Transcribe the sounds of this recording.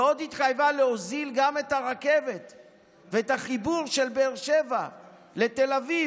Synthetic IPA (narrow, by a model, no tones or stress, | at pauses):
o̞d̪hit̪χajvaleozilɡame̞taʁake̞ve̞t | veetaχibuʁʃe̞lbeːʁʃe̞va | le̞telavi